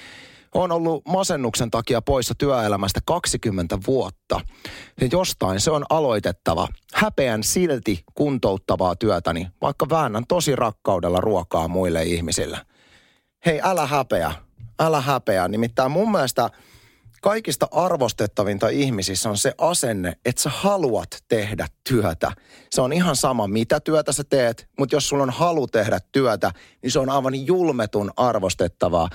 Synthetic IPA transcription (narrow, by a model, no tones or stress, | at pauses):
onolːumɑsenːuksent̪ɑkiɑpo̞isːɑt̪yæelæmæst̪ækɑksikymːent̪æʋuot̪ːɑ̰jɑjost̪ɑinseonʔɑlo̞it̪e̞t̪ːɑʋɑ̰hæpeænsilt̪ikunt̪out̪ːɑʋɑːt̪yæt̪æniʋɑ̰ikːɑʋæːnːænt̪o̞sirʔɑkːɑudelːɑ̰ruokɑ̰ːmuilːeihmisḭlːḛ | he̞jʔælæɦæpeæ̰ælæɦæpeænimit̪ːæːmmumːiælest̪ɑ | kɑikist̪ɑʔɑrʋost̪et̪ːɑʋint̪ɑihmisisːonseʔɑsenːeet̪sehɑluɑt̪ːehdæt̪tyœt̪æ̰seonihɑnsɑmɑmit̪æt̪yøt̪æset̪eːt̪mut̪josːulːonhɑlut̪ehdæt̪ːyœt̪æ | ninseonɑiʋɑnjulmet̪unɑrʋost̪et̪ːɑʋɑ̰ː